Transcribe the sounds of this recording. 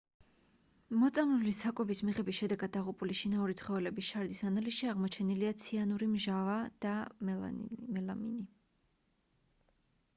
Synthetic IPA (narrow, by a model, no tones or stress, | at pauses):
mɔt̪sʼamlulisakʼwɛbismiʁɛbisʃɛd̪ɛɡad̪̚ːaʁupʼuliʃinauɾit̪sʰχɔvɛlɛbisʃaɾd̪isanalisʃiaʁmɔt͡ʃʰɛniliat̪sʰianuɾimʒavad̪̥a | mɛlamḭni